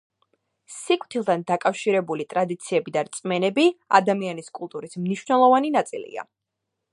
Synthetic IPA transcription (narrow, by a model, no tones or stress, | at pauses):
sikʼt̪ʰilˠt̪ʰand̪akʼafʃiɾɛbulit̪ʼɾad̪it̪sʰiɛbid̪aɾt̪sʼmɛnɛbia̰d̪amianiskʼulˠt̪ʼuɾismniʃwvnɛlˠɔvaninat̪sʼilḭa̰